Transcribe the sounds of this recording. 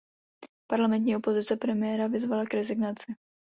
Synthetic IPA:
paɾlamɛnt̪̬ɲiːʔopo̞zɪt͡sɛpɾɛmɪjɛɾavɪzvalakɾɛzɪɡnat͡sɪ

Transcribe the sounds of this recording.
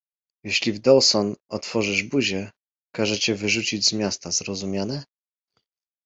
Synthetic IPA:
jɛɕlʲivd̪ɔlsɔnɔt̪fɔʐɘʐbuʑɛ | kaʐɛt͡ɕɛvɘʐut͡ɕid͡ʑzmʲjast̪azɾɔzumʲjanɛ

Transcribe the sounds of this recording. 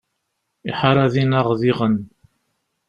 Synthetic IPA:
iħaɾˤaðinaʁðiʁən

